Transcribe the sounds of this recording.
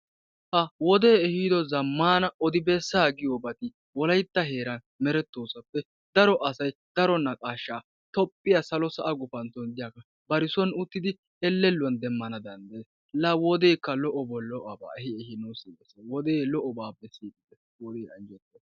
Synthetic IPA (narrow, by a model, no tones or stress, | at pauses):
hɐwɔd̪eːɛhiːd̪ɔzɐmːaːnɐɔd̪ɪbɛsːaːɡɪjobɐt̪ɪ | wɔlɐjt̪ːɐɦe̞ːɾɐn | mɛɾɛt̪ːoːsɐpːɛ | d̪ɐɾɔʔɐsɐjd̪̥ɐɾɔnːɐkʼaːʃːaː | t̪ɔpʼːɪjɐsɐlɔsɐʔɐɡʊfɐnt̪ɔnd̪ɪjakɐ | bɐɾɪsɔnʊt̪ːɪd̪ɪ | ɛlːɛlːʊɐnd̪ɛmːɐnɐd̪ɐnd̪eːs | lɐwɔd̪ejkːɐlɔʔɔbɔlɔʔɐba̰ːhɪɛhɪnɐwsiːɡɛsewɔd̪eːlɔʔɔbaːbɛsiːd̪ɪd̪ɛ | wɔd̪eːjɐnd͡ʒɛt̪ːe